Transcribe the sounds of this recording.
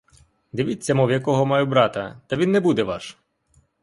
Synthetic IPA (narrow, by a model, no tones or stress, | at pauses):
d̪ɪʋʲit͡sʲːɐmɔwjɐkɔɦɔmɑjʊbɾɑt̪ɐt̪ɐʋʲinːɛbud̪ɛʋɑʃ